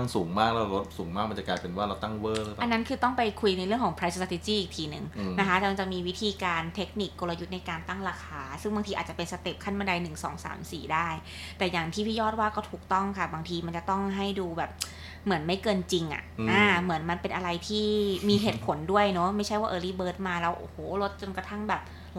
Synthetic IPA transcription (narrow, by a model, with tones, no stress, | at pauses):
a˥˩ŋsuː˩˦ŋmaː˥˩k̚lɛ˧˦˧wɾo˦˥t̪̚suː˩˦ŋmaː˥˩k̚a˧nt͡ɕa˨˩klaː˧jpe˧nwaː˥˩ɾa˧wt̪a˥˩ŋwɤː˧˩lʔa˧nːa˦˥nkʰɯː˧t̪ɔ˥˩ŋpa˧jkʰu˧jna˧jɾɯ˥˩əŋʰɔ˩˦ŋpʰɾa˧˦jsɾa˧t̪e˧t͡ɕiː˥˩ʔi˨˩k̚t̪ʰiː˧nɯ˨˩ŋna˦kʰa˦˥t̪ɛː˨˩ma˧nt͡ɕa˨˩ʔmiː˧wi˦˥t̪ʰiː˧kaː˧nt̪ʰe˦˥k̚ni˨˩kːo˧la˧ju˦˥t̪̚na˧jkaː˧nt̪a˥˩ŋɾaː˧xʰaː˧sɯ˥˩ŋbaː˧ŋt̪ʰiː˧ʔaː˨˩t̪̚t͡ɕa˨˩pe˧nsa˧t̪i˨˩p̚kʰa˥˩nma˧da˧jnɯ˨˩ŋsɔ̰ː˩˦ŋsa̰ː˩˦msḭː˨˩daː˥˩j | t̪ɛː˨˩jaː˨˩ŋt̪ʰiː˥˩pʰiː˥˩jɔː˥˩t̪̚waː˥˩kɔː˥˩t̪ʰuː˨˩k̚t̪ɔ˥˩ŋkʰa˥˩baː˧ŋt̪ʰiː˧ma˧nt͡ɕa˨˩t̪ɔ˥˩ŋɦa˥˩jduː˧bɛː˨˩p̚ | mɯ˩˦ənma˥˩jkɤː˧nt͡ɕi˧ŋʔa̰˨˩ʔaː˧˩mɯ˩˦ənma˧npe˧nʔa˧ɾa˧jt̪ʰiː˥˩miː˧ɦeː˨˩t̪̚pʰo˩˦ndu˥˩əjnɔ˦˥ma˥˩jt͡ɕʰa˥jwaː˥˩ʔɤː˧liː˦˥bɤː˨˦˥t̪̚maː˧lɛː˦˥wʔo̰ː˧˩hoː˨˩˦lo˦˥t̪̚t͡ɕo˧nka˧t̪ʰa˥˩ŋbɛː˨˩p̚